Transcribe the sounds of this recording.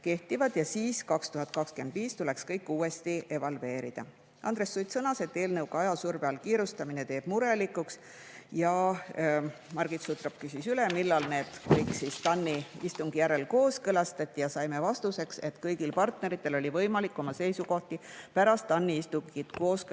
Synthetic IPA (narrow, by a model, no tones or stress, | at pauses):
ke̞ht̪ivɑd̪̥jɑsiːskɑkst̪uɦɑt̪̚kɑkske̞nd̪̥viːst̪ule̞kskɤjkːˑuːe̞st̪iʔe̞vɑlve̞ːɾid̪̥ɑ̰ | ʔɑ̰nd̪ɾe̞sːujt̪sɤnɑse̞t̪ːe̞ːlnɤwɡ̥ɑjɑsurbeɑlkiːɾust̪ɑmine̞t̪e̞ːb̥muɾe̞likːˑuks | jɑ | mɑɾɡ̥it̪sut̪rɑp̚kysisylemilːɑlne̞ːd̪̥kɤjksist̪ɑnːiist̪uŋɡ̥ijæɾe̞lko̞ːskɤlɑst̪ɑt̪ʲːijɑsɑjme̞vɑst̪use̞kse̞t̪kɤjɡ̥ilpɑrt̪ne̞ɾit̪ːˑe̞lo̞lʲivɤjmɑlikːˑo̞mɑse̞jsuko̞ht̪ipæɾɑst̪ːɑnːiist̪uŋɡ̥it̪ko̞ːsk